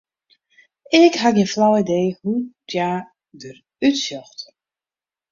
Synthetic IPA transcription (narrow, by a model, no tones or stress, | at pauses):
ɪkɦaɡənflɔwidejhutjaː | dər | ytsjɔxt